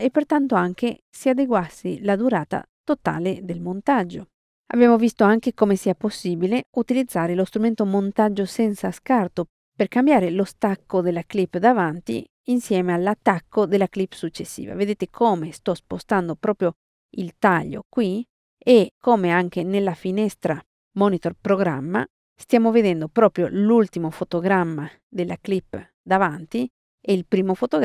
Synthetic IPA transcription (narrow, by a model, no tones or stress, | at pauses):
epːert̪ant̪oaŋk̟e | siad̪eɡwasːḭlad̪uɾaːt̪a̰ | t̪ot̪a̰ːled̪elmont̪ad͡ʒːo | a̰bjɛːmovist̪oaŋkekomesiːaposːiːbileut̪ilid̪zːaːɾelost̪ɾument̪omont̪ad͡ʒːosɛnsaskart̪o | perkambjaːɾelost̪akːod̪elːaklipːd̪avant̪ḭ | insjɛːmealːat̪ːakːod̪elːaklipːsut͡ʃːesːḭːva̰ved̪eːt̪ekʰoːmest̪ɔspost̪and̪opɾɔːpɾjo | ilt̪aʎːo̰kwi | ekʰːomeaŋk̟enelːafinɛst̪ɾa | mɔnit̪orpɾoɡɾa̰mːa̰ | st̪jaːmoved̪ɛnd̪opɾɔːpɾjo̰lult̪imofot̪oɡɾamːa | d̪elːʔa̰klipː | d̪avant̪i | ɛilpɾiːmofot̪oɡ